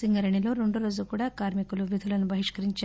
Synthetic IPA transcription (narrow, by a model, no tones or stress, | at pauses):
iŋɡɐɾɐɳiloɾuɳɖuɾod͡ʒukuːɽakaːɾmikuluʋid̪ʱulɐnːubɐɦiʂkɐɾiɲt͡ʃ